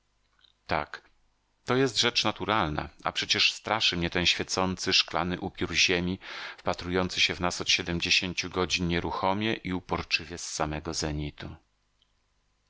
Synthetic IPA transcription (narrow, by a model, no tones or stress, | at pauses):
t̪a̰k | t̪ɔjɛst̪ʐɛt͡ʂnat̪uɾalna̰a̰pʂɛt͡ɕɛʂst̪ɾaʂɘmɲɛt̪ɛnɕfʲjɛt̪sɔnt̪sɘʂkla̰nɘʔupʲjuɾʑemʲifpat̪ɾujɔnt̪sɘɕɛvnasɔt̪ɕɛd̪ɛmd͡ʑeɕeɲt͡ɕuɡɔd͡ʑinɲɛɾuxɔmʲjɛʔiupɔɾt͡ʂɘvʲjɛsːamɛɡɔzɛɲit̪u